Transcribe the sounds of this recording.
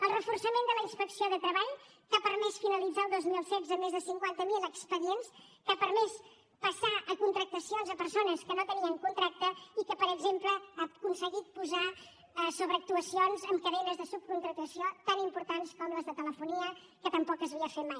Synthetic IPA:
əlˠrəfursəmend̪ələinspəksioðət̪ɾəβaʎ | k̪apəɾmɛsfinəlid͡zaːlˠd̪ozmilˠsɛzəmezðəsiŋkwant̪əmiləkspəðienskapəɾmɛs | pəsaʔəkunt̪ɾək̚t̪əsionzəpəɾsonəskənot̪əniəŋkunt̪ɾak̚t̪əikəpəɾəɡzempləakunsəɣit̪̚puza | soβɾəːk̚t̪uəsionzəmkəðenəzðəsup̚kunt̪ɾək̚t̪əsiot̪animpuɾt̪anskɔmləzðət̪ələfuniə | kət̪əmpɔkəzβiəfet̪̚maj

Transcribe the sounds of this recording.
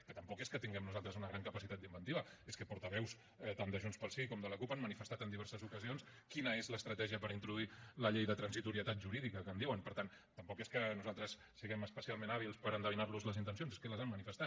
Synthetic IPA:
kət̪əmpɔkeskət̪iŋɡɛmnuzalˠt̪ɾəzunəɣɾaŋkəpəsit̪at̪d̪imbənt̪iβəeskəpuɾt̪əβɛws | ɛt̪and̪əʒunspəlˠsiikɔmd̪ələkupamːənifəst̪at̪ənd̪iβɛɾsəzukəzions | kinəezləːst̪ɾət̪ɛʒiəpəɾint̪ɾuðuiləʎejðət̪ɾənzit̪uɾiət̪at̪̚ʒuɾiðikəkəːnd̪iwənpəɾt̪an | t̪əmpɔkeskənuzalˠt̪ɾəs | siɣɛməspəsialˠmenaβ̞ilˠspəɾənd̪əβinaɾluzləzint̪ənsionzeskələzamːənifəst̪at̪̚

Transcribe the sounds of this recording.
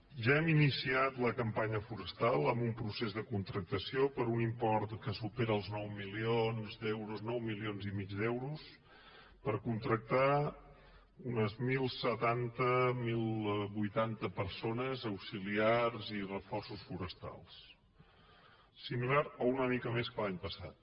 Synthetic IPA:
ʒaɛminisiat̪ləkəmpaɲəfuɾəst̪alˠəmbumpɾusezðəkunt̪ɾək̚t̪əsiopəɾunimpɔrt̪kəsupeɾəəlˠznɔwmilionzd̪ɛwɾuznɔwmilionzimid͡ʒd̪ɛwɾus | pəɾkunt̪ɾək̚t̪a | unəzmilˠsət̪ant̪əmilˠβujt̪ant̪əpəɾsonəzəwsiliarzirəfɔrsusfuɾəst̪a̰lˠs | similaɾounəmikəmeskəlaɲpəsa̰t̪̚

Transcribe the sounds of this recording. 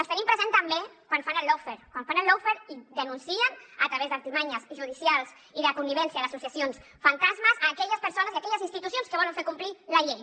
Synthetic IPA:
əlst̪ənimpɾəzent̪ambekwanfanəlːowfeɾkwanfanəlːowfeɾid̪ənunsiənət̪ɾɐβezd̪ant̪imaɲəzʒuðisjalˠz | iðəkuniβɛnsjaðɐsusiasions | fant̪azməzaːkɛʎəspəɾsonəziakɛʎəzinst̪it̪usijonskəβɔləɱfeɾkumplilɐʎej

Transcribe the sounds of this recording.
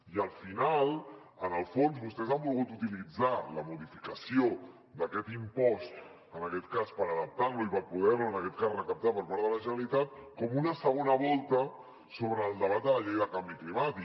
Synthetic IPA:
iəlˠfinal | ənəlˠfonzβust̪ɛzamolˠɣut̪ut̪ilid͡zaləmuðifikəsio | d̪əkɛt̪impɔst̪ | ənəkɛt̪kaspəɾəðəp̚t̪aɾluipəɾpuð̞ɛɾluənəkɛt̪̚kasrəkəp̚t̪apəɾpaɾðələʒənəlit̪at̪̚kɔmunəsəɣonəβɔlˠt̪ə | soβɾəːlˠd̪əβat̪̚d̪ələʎejðəkambiklimat̪i

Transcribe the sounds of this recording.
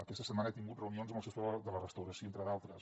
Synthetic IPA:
əkɛst̪əsəmanəat̪iŋɡut̪rəunionzmlˠsest̪ðələrəst̪əwɾəsioent̪ɾəðalˠt̪ɾəs

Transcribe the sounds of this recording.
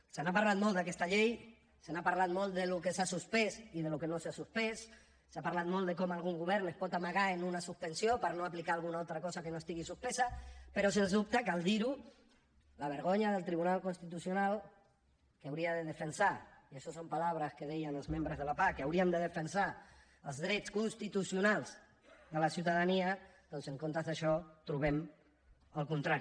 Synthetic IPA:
senapaɾlat̪mold̪akɛst̪aʎej | senapaɾlat̪molt̪d̪elukesasuspesiðelukenosasuspesː | apaɾlat̪mold̪ekomalˠɣuŋɡuβ̞ɛɾnespɔt̪amaɣaenunasuspensjopaɾnoaplikaalɣunaolt̪ɾakɔsakenoest̪iɣisuspesapeɾosenzðup̚t̪akald̪iɾu | laβ̞əɾɣ̞oɲaðəlˠt̪ɾiβunalkunst̪it̪usjunal | kawɾiaðəðəfənsaiaʃɔsompalaβɾaskeðɛjanəlˠzmẽmbɾəzð̞əlapakeawɾiand̪əðəfənsa | əlˠzðɾɛt͡skunst̪it̪usjunalˠz | ðəlasiuwt̪aðania | d̪ɔnseŋkont̪azðaʃɔt̪ɾuβɛm | alˠkunt̪ɾaɾi

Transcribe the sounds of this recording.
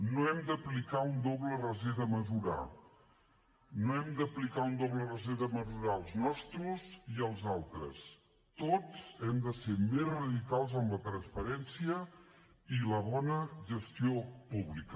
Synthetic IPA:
noɛmd̪əplikaund̪oβlərəzeðəməzuɾa̰ | noɛmd̪əplikaund̪oβlərəzeðəməzuɾaəlˠznɔst̪ɾuziəlˠzalˠt̪ɾə̰s | t̪ot͡sɛmd̪əsemezrəðikalˠzəmlət̪ɾənspəɾɛnsiə | iləβɔnəʒəst̪iopuβlikə

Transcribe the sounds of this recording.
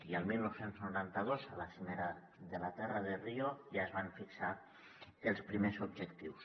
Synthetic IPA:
iəlˠmilˠnowsenznuɾant̪əðozə̰lasimeɾə | ðəlat̪ɛrəðeriojaəzβaɱfiksa | elˠspɾimezubʒəkt̪iws

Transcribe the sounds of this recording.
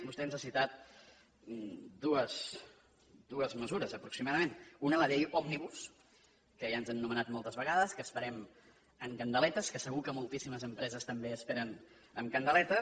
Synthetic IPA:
bust̪ɛnzasit̪at̪̚ | d̪uəz | d̪uəzməzuɾəzəpɾuksimaðəmenunələðejɔmniβus | kəʒaənzɛnːumənat̪mɔlˠt̪əzβəɣaðəskəːspəɾɛm | əŋkənd̪əlɛt̪əskəsəɣukəmulˠt̪isiməzəmpɾɛzəst̪əmbeəspɛɾən | əmkənd̪əlɛt̪ə

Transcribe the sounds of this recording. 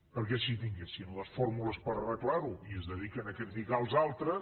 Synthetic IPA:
pəɾkɛsit̪iŋɡesinləsfoɾmuləspəɾrəklˠaɾuiəzðəðikənəkɛt̪d̪iɣalˠzalˠt̪ɾə

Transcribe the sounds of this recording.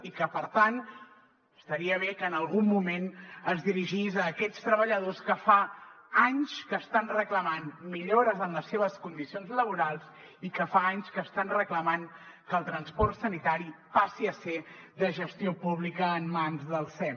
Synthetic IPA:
ikəpəɾt̪an | əst̪əɾiəβ̞ekəːnəlˠɣumːumenəzðiɾiʒizəːkɛt͡st̪ɾəβəʎəðoskəfa | aɲskəːst̪anrəkləmanmiʎoɾəzənləsːeβəskund̪isionzləβ̞uɾalˠz | ikəfaaɲskəːst̪anrəkləmaŋ | kəːlˠt̪ɾənspɔrt̪sənit̪aɾipasiəseðəʒəst̪iopuβlikəːmːanzðəlˠsɛ

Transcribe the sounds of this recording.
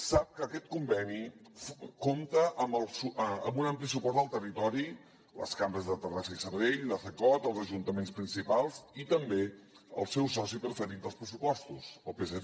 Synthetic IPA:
sap̚kəkɛt̪̚kumbɛnifkomt̪əʔəməlˠsuəmbunamplisupɔst̪d̪əlˠt̪ərit̪ɔɾi | lə̰skambɾəzðət̪ərasəisəɾβeʎləθəkɔt̪əlˠzəʒunt̪əmenspɾinsipalˠzit̪əmbe | ə̰lˠsɛwsɔsipɾəfəɾit̪̚d̪əlˠspɾəsupɔst̪usəpesə

